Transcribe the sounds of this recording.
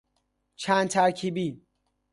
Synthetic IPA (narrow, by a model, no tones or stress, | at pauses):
t͡ʃʰænd̪̚t̪ʰæɾcʰiːbiː